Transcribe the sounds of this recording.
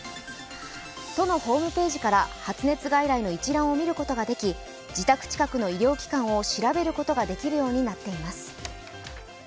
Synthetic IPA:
t̪o̞no̞ho̞ːmɯ̟pe̞ːʑikaɾahat͡sɨne̞t͡sɨɡaiɾaino̞it͡ɕiɾãɰ̃o̞mʲiɾɯ̟ko̞t̪o̞ɡad̪e̞kʲi | d͡ʑit̪akɯ̥t͡ɕi̥kakɯ̟no̞iɾʲjo̞ːkʲi̥kãɰ̃o̞ɕiɾabe̞ɾɯ̟ko̞t̪o̞ɡad̪e̞kʲiɾɯ̟jo̞ːɲ̟inat̪ːe̞imasɨ̥

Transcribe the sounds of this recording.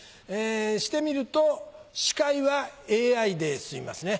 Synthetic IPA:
eːɕi̥t̪e̞mʲiɾɯ̟t̪o̞ɕi̥kaiβaeːaid̪e̞sɨima̰sɨne̞

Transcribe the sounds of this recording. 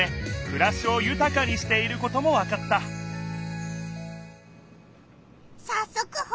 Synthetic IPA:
ekɯ̟ɾaɕɨo̞jɯ̟t̪akaɲ̟iɕi̥t̪e̞iɾɯ̟ko̞t̪o̞mo̞βakat̪ːa | sasːokɯh

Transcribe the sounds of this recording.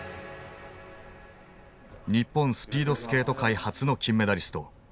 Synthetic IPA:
ɲ̟ipːõ̞ɰ̃sɨ̥pʲiːd̪o̞sɨ̥ke̞ːt̪o̞kaihat͡sɨno̞kʲĩmːe̞d̪aɾʲisɨ̥t̪o̞

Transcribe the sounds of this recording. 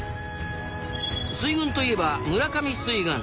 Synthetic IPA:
sɨiɡɯ̟̃nt̪o̞ie̞bamɯɾakamʲisɨiɡɯ̃

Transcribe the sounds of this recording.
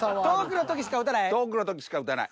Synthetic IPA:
ad̪oːkɯnot̪okʲiɕ̬i̥kaɯt̪anaed̪oːk̬ɯnot̪ok̬ʲi̥ɕi̥kaɯ̟t̪ana̰i

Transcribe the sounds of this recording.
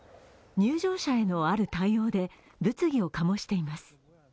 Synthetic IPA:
ɲ̟ɨːʑo̞ːɕae̞no̞aɾɯ̟t̪aijo̞ːd̪e̞ | bɯ̟t͡sɨɡʲio̞kamo̞ɕi̥t̪e̞imasɨ̥

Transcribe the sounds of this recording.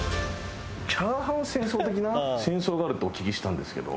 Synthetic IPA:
t͡ɕaːɦãɯ̃sẽ̞ɰ̃so̞ːt̪e̞k̬ʲinasẽ̞ɰ̃so̞ːɡaːɾɯ̟t̪okʲikʲiɕi̥t̪ãnd̪e̞sɨ̥ke̞d̪o̰

